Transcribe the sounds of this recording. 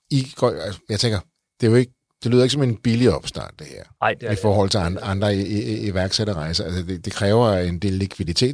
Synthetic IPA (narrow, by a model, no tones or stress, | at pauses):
iɡ̥ɒ̰æsjɑt͡sʰeŋɡ̥ɐ | d̥e̝joe̝ɡ̥ə | d̥e̝lyðˠe̝ɡ̥sɒ̽me̝nb̥iliɒ̽b̥sd̥æ̰n̰d̥e̝heɐ̰ifɒːhɒ̽l̰t͡sʰe̝nɑ̈nd̥ʁɐiʋæɐɡ̥seɾɐʁɑ̈ɪsɐælsəd̥e̝d̥e̝kʰʁɛːʊɐend̥e̝̰ːlːikʰʋiðˠit͡sʰe̝̰ːd̥